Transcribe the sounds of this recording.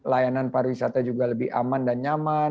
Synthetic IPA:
lajananpaɾuwisat̪ad͡ʒuɡaləbɪha̰mandanɲama

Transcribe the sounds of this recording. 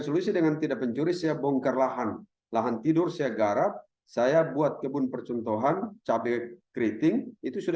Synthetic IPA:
sɔlusidəŋant̪idapːəɲt͡ʃuɾisajabɔŋkərlaɦan | laɦant̪idʊrsajaɡaɾap̚ | sajabuat̪̚kəbʊnpərt͡ʃɔnt̪ɔɦant͡ʃabɛkɾit̪ɪŋit̪usud

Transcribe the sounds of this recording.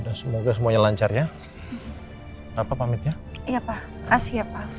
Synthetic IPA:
dansəmoɡas̬əmuaɲalaɲt͡ʃarja | apapamɪt̪̚jaiapa | kasiapa

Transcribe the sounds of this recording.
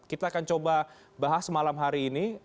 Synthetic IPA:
kit̪aːkant͡ʃoba | baɦasəmalamɦaɾiːni

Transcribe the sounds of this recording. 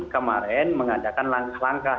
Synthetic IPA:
kəma̰ɾɛnməŋadakanlaŋkahlaŋka

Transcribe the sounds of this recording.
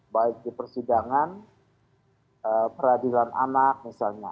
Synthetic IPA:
baɪk̚dipərsidaŋan | əpəɾadilanʔa̰nak̚misalɲa̰

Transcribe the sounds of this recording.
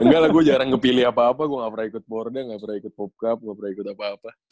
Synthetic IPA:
əŋɡalahɡuɛd͡ʒaɾaŋkəpiliapaːpaɡuaŋapɾaikʊt̪̚bɔrdaŋɡapɾaikʊt̪̚pɔp̚kap̚ŋapɾaikʊt̪apaːpa

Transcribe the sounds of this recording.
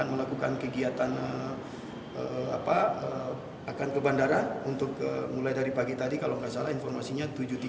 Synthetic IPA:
anməlakukankəɡiat̪anə | əa̰paə | akankəbandaɾanunt̪ʊkə̰mulajdaɾipaɡit̪adikaloəŋɡaʔsalainfɔrmasiɲat̪ud͡ʒut̪i

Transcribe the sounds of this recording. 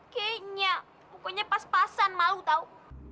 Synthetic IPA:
keɲa | pukoɲapaspasanmalut̪au

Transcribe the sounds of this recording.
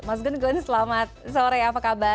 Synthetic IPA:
mas̬ɡʊnɡɔnsəlamat̪̚soɾajapakaba

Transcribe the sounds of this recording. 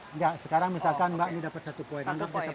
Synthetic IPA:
ŋɡaʔsəkaɾaŋmisalkanbaʔnidapat̪sat̪upoɛnaŋɡap̚d͡ʒat̪a

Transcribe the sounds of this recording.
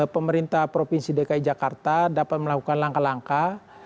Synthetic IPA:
pəməɾint̪ahpɾopinsidekaid͡ʒakart̪adapat̪̚məlakukanlaŋkalaŋka

